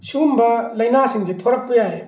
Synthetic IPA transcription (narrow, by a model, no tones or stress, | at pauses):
sumbɐlɐjnasiŋd͡ʒet̪ʰoɾɐk̚pujaɾe